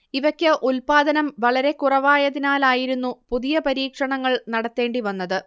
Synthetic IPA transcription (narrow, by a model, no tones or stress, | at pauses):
iʋɐkʲːɨʔulpaːd̪ɐnɐmʋɐɭɐɾe̞kurɐʋaːjɐðinaːlaːjiɾunːupuðijɐpɐɾiːkʂɐɳɐŋːɐɭnɐɽɐt̪ːe̞ːɳɖiʋɐnːɐðɨ